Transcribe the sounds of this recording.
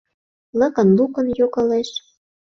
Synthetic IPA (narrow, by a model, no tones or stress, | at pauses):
lɤ̆kə̆nlukə̆njokɤ̆leʃ